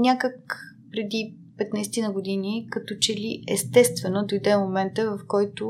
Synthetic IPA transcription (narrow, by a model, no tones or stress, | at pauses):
nʲakək | pɾɛd̪i | pɛt̪najsɛ̥t̪inəɡod̪inikɐt̪ɔt͡ʃɛliɛst̪ɛst̪vɛnod̪ojd̪ɛmomɛnt̪əvɐfkɔjt̪ʊ